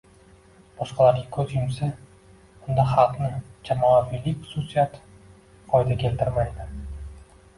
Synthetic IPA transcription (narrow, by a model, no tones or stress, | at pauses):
b̥ɒʃqɑlaɾɡʲakʲʰɵzjʊmsḁ | ʊnd̪aχɑlˠqnɪd͡ʒamɒafilɪχʊ̥susijat̪ | qʰɒjd̪akʲʰe̞lt̪ʰɪɾmajd̪ɪ